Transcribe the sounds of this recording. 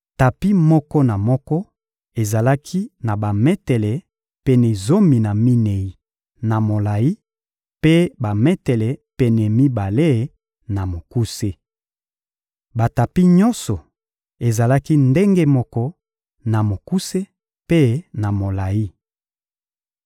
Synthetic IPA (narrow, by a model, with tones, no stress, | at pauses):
ta˨pi˦mɔ˦kɔ˦na˨mɔ˦kɔ˦ | e˨za˨la˦kʰi˦na˨ba˨mɛ˦tɛ˨lɛ˨ | pɛ˨nɛ˨zo˦mi˨na˨mi˦ne˨i˨ | na˨mo˨la˨ji˦ | pe˦ba˨mɛ˦tɛ˨lɛ˨pɛ˨nɛ˨mi˦ba˨le˦˨˦ | na˨mo˨ku˦se˦ | ba˨ta˨pi˦ɲɔ˦nsɔ˨ | e˨za˨la˦ki˦nde˦ŋɡe˦mɔ˦kɔ˦ | na˨mo˨ku˦se˦ | pe˦na˨mo˨la˨ji˦